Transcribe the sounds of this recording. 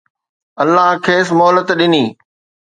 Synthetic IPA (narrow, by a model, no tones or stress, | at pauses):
ɐlːaɦkʰeːsmɔɦlət̪ɗɪniː